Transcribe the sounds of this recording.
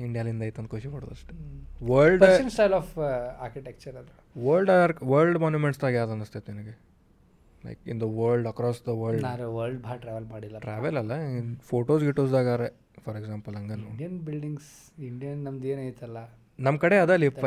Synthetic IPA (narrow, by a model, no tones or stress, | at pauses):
iɳɖijaːlind̪ɐːjt̪uɐ̃nd̪kʰuʃikoːɽo̰d̪ɐʂʈeʋɐɾlɖpɾɐt͡ʃɐnsʈajlɔːfa̰ːɾkiʈek̚t͡ʃɐɾɐd̪ɾuʋɐɾlɖɾʋɐɾlɖmaːnjumeɳʈst̪aːɡjaːd̪ɐnɐst̪et̪uinɐɡe | lɐ̰jkḭnd̪ɐʋəːɾlɖɐkɾɔːsd̪ɐʋəːɾɭɖnaɾuʋɐɾlɖbʱaːʈɾaːʋɐlmaːɽilːɐʈɾaːʋɐlɐlːɐfoːʈoːsɡiʈosd̪aːɡaːɾe | fʰɔɾeɡzãːmpɐlɐŋɡɐnuɖjɐnbilɖiŋɡs | iɳɖijɐnːɐmd̪eːnajt̪ɐlːɐ | nɐmːkɐɽeɐd̪ɐlip